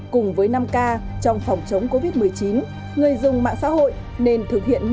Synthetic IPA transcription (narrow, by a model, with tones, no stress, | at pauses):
kʊ˨˩ŋ͡mvəː˨˦jna˧mkaː˧t͡ɕɔ˧wŋ͡mfɔ˨˩wŋ͡mt͡ɕə˨˦wŋ͡mko˧vi˦˥t̚mɨ˨˩əjt͡ɕi˨˦n | ŋɨ˨˩əjzʊ˨˩ŋ͡mma̰ː˧˨ŋsa̰ː˧˥ho̰˧˨j | ne˧nt̪ʰɨ˨˩k̚hḭ˧˨ən